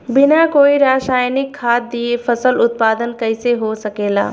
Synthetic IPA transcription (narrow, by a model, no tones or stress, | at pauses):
bɪnakoːiɾaːʃaːjnɪkʰːaːt̪̚d̪iefɐsəlʊt̪̚paːd̪ənkɐɪseɦosɐkeːla̰ː